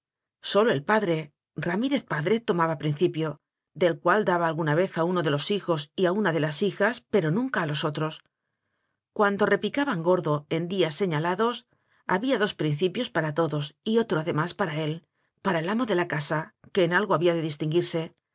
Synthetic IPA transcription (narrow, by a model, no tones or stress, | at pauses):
so̞loe̞lpaðɾe̞ | ramiɾe̞θpaðɾe̞t̪o̞maβapɾin̟θipjo̞ | d̪e̞lkwald̪aβaːlɣunaβ̞e̞θauno̞ðe̞lo̞sixo̞siaunaðe̞lasixaspe̞ɾo̞nũŋkaːlo̞so̞t̪ɾo̞s | kwand̪o̞re̞pikaβaŋɡo̞ɾðo̞e̞nd̪iasːe̞ɲalaðo̞s | a̰βiaðo̞spɾin̟θipjo̞spaɾat̪o̞ðo̞sio̞t̪ɾo̞aðe̞maspaɾae̞l | paɾaelamo̞ðe̞lakasake̞ːnalɣo̞aβiaðe̞ðist̪iŋɡiɾse̞